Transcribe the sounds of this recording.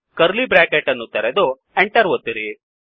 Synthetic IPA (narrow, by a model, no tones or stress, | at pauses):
kɐɾlibɾaːkeʈːɐnːut̪ɐɾed̪o | eɳʈɐɾʋɐt̪ːiɾi